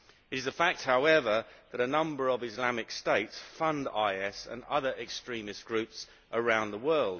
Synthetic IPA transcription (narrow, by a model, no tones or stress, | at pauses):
ɪɾɪzðəfak̚t̚haʊɛvəðəɾənʌ̃mbəɹəvɪzlamɪksteɪtsfʌ̃ndaɪɛsə̰̃nʌ̰ðəɹɛkstɹ̥ĩːmɪsɡ̥ɹʉˑps | ʔəɹãʊ̃nðəwɜːlˠd̥